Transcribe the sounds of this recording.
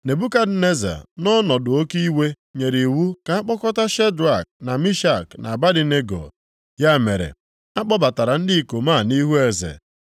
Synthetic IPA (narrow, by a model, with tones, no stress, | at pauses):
ne˨bu˦ka˦d̩˦ne˦za̰˨nɔ˦nɔ˨dʊ˨o˦ki˦we˦ | ɲe˨ɾi˨wu˦ka˨a˦k͡pɔ˦kɔ˦ta˦ʃe˦dɾa˨k̚na˨mi˦ʃa˦˨kna̰˨ba˦dɪ˦ne˦ɡo̰˨ | ja˦˨me˨ɾḛ˨ | a˦k͡pɔ˦ba˨ta˨ɾa˨n̩˦di˦˨ko˨ma˦˨ni˦ɦu˦e˨zḛ˨